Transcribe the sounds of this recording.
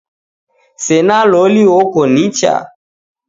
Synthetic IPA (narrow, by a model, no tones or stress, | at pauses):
senaloliwokonit͡ʃa̰